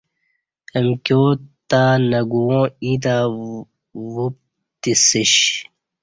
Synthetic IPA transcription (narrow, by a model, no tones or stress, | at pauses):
emkjoːt̪aːnɐɡuwõːiːt̪̬aː | wup̚ | t̪isiɕ